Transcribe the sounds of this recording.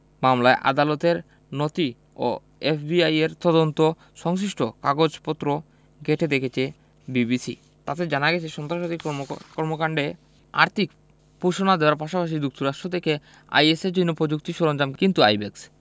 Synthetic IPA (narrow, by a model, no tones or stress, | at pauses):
mamlaeʔa̰d̪alot̪eɾ | not̪i | o̰ | efbiajeɾt̪ɔd̪ont̪o | ʃɔŋs̬iʃʈokaɡod͡ʑpot̪ːɾo | ɡeʈʰed̪ekʰet͡ɕʰe | bibisḭ | t̪at̪ed͡ʑanaɡɛt͡ɕʰeʃɔnt̪ɾaʃot̪ikɔɾmokaɳɖe | a̰ɾt̪ʰik | puʃonad̪eoaɾpaʃapaʃ̬id̪uk̚t̪uɾaʃʈot̪eke | a̰jesed͡ʑoinːopɾod͡ʑuk̚t̪iʃoɾond͡ʑamkint̪ua̰jbeks